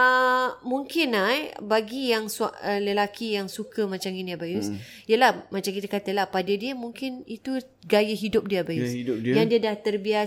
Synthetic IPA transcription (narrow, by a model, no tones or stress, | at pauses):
əmũŋkɪnabaɡijaŋsa̰ʔələlakʰijaŋsukəmãt͡ʃaminiabajus | ijəlahmat͡ʃaŋkit̪əkat̪əlahpadədiəmuŋkɪnit̪u | ɡajəɦidʊp̚diəbajusjaŋdiədaht̪ərbia